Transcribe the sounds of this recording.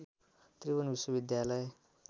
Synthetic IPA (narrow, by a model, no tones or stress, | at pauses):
t̪ribʌnbiswʌβid̪jalʌj